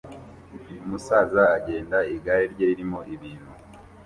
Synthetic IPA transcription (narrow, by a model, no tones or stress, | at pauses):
umusaːzaːɟe̞ːndaiɡajeɾɟeiɾimo̞ʔiβiːn̥hu